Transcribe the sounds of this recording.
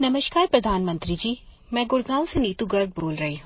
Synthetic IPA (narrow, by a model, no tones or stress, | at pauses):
nɐməʃkaːɾpɾɐd̪ʱaːnmə̃nt̪ɾid͡ʒiː | mɛ̃ːɡʊɽɡãːõseniːt̪uɡɐɾd̪̚boːlɾɐɦiɦũː